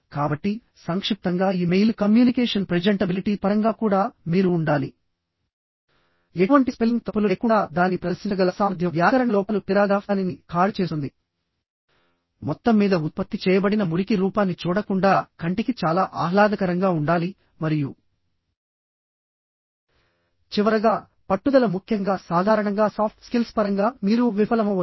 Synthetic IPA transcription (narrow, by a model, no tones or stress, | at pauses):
kaːbɐʈːi | sɐŋkʂip̚t̪ɐŋɡaːiːmejlkɐmjuːnikeːʂɐnpɾɐd͡ʒɐɳʈɐbiliʈiːpɐɾɐŋɡaːkuːɽaːmiːɾuːɳɖaːli | euʋɐɳʈispeliŋɡt̪ɐpːuluːkuɳɖaːd̪aːnipɾɐd̪ɐsit͡ʃɐɡɐlɐsaːmɐd̪ʱjɐʋjaːkɐɾɐɳɐlɔːpɐlupiɾaːd̪aːfaːninikaːɾt͡ʃeːsund̪i | mɔt̪ːɐmːiːd̪ɐut̪̚pɐt̪ːit͡ʃɛːjɐbɐɽinɐmuɾikiɾuːpaːnːit͡ʃuːɽɐkuɳɖaːkɐɳʈikit͡ʃaːlaːʔaːɦlaːd̪ɐkɐɾɐŋɡaːuɳɖaːli | mɐɾiju | t͡ʃiʋɐɾɐɡaː | pɐʈːud̪ɐlɐmukʰjɐŋɡaːsaːd̪ʱaːɾɐɳɐŋɡaːsaːpʈskilspɐɾɐŋɡaːmiːɾuʋifɐlɐmɐ